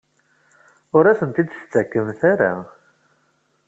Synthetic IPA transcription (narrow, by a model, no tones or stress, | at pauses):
ʊɾæsənt̪id̪st͡s̪ːækːəmθaɾa̰